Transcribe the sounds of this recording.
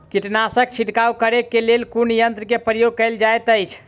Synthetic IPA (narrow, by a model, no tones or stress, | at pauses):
kiʈnasək̚t͡ʃʰiʈkaukəɾekːelelkunjənt̪ɾəkepɾəjoɡ̚kəjld͡ʒajt̪əjt͡ʃʰ